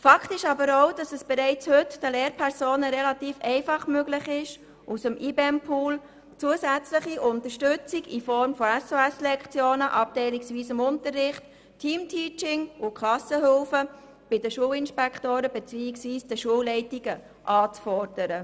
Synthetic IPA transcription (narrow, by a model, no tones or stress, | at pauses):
fɑkʰtɪʃɑbəɾoʊd̥ɑsɛsb̥ɛɾɛɪt͡shʏtd̥əleːɾpʰɛɾsoːnəɾɛlɑt̪iːfɛɪfɑχmøɡlɪχɪʃ | ʔusəmʔiːbeɛmpʰuːl | t͡suəsæt͡sləχiʔʊnt̪əʃtʏt͡siɡifɔɾmfɔɛsoɛslɛkχt͡sjoːnəʔɑp̚tɛɪliksʋiːsɪmʊntərːɪχtʰ | iːmtʰiːt͡ʃɪŋʊkʰχlɑsəɦʏlfə | b̥ɪdəʃuːəlɪnʃpɛkχtoːɾəbɛt͡siːɪksʋviːsd̥əʃuəwlɛɪtiɡə | ʔɑːt͡sfɔɾd̥əɾə